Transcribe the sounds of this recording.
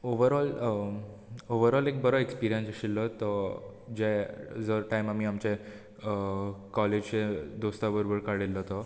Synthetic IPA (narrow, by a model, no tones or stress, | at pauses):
oʋəɾɔl | oʋəɾɔlek̚bəɾəekspiɾijənsɕilːət̪əd͡ʑed͡zəɾʈajmam̤iːamt͡ɕe | kɔled͡ʑt͡ɕẽd̪ost̪abəɾobəɾkaɽelːət̪ɔ